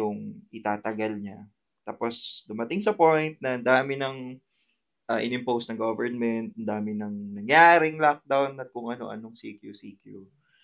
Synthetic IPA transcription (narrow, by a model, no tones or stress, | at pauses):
ʊŋʔɪt̪aːt̪ɐɡɐlɲa | t̪aːpo̞sd̪ʊmɐt̪ɪŋsɐpojnt̪̚nɐɐnd̪aːmɪnɐŋ | ʔɐʔɪ̰nɪmpowst̪ɐŋɡovɛɹnmɛnt̪̚ʔɐnd̪aːmɪnɐŋnɐŋjaːɾɪŋlak̚d̪awnɐt̪̚kʊŋɐno̞̰ʔɐ̰noŋsḭkjusiːkju